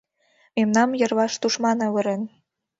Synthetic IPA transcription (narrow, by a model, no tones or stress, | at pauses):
memnɑmjɤ̆rβɑʃt̪uʃmɑnɤβɤ̆ɾen